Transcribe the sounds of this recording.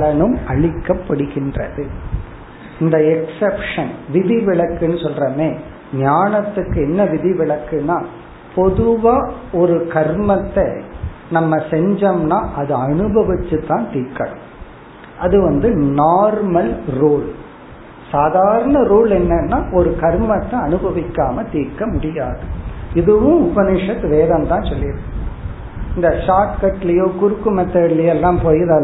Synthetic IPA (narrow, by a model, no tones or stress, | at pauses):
ɭɐɳɯmɐɭɪkːɐpːɐɽɯɣɪndrɐ̰ðɯ | ɪnd̪ɐɛksɛpʂɐnʋɪðiʋɪɭɐkːɯnːɯsɔlrɐmeː | ɲaːɳɐt̪ːɯkːɯɛnːɐʋɪðɪʋɪɭɐkːɯnaː | pɔðɯʋaːɔɾɯkɐɾmɐt̪ːenɐmːɐsɛɲd͡ʒɐmnaːʔɐðɯɐɳɯbɐʋɪt͡ʃːɯt̪ːãːnt̪iːɾkɐɽɯ̰m | ʔɐðɯʋɐnd̪ɯnaːɾmɐlɾoːɭ | saːðaːɾɐɳɐɾuːlɛnːɐnːaːʔɔɾɯkɐɾmɐt̪ːɐɐnɯbɐʋɪkːaːmɐt̪iːɾkɐmʊɽɪja̰ːðɯɪðɯʋʊ̃ʊbɐnɪʂɐt̪ːʋeːðɐmt̪ãːsɔlːɪɐðɯ | ɪnd̪ɐʂaːʈkɐʈːɪlɐjoːkʊɾɯkːɯmɛt̪ːɐɽɪlɐjɛlːãːmpoːjɪðɐ